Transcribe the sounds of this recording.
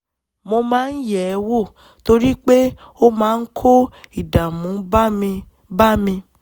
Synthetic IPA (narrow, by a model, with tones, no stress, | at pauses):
mo˧mãː˨˦n̩˦jɛ˨˧wo˦˨ | to˧ɾi˦k͡pe˦ | o˦mãː˨˦n̩˦kʰo˦i˨da˨mũ˨˦˧ | ba˦mĩ˧